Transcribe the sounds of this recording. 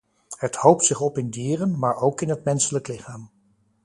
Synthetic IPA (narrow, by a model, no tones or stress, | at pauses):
ɦəthowp̚tsɪχɔpɪndiːrənmaːɹowkɪnɦətmɛnsələklɪχaːm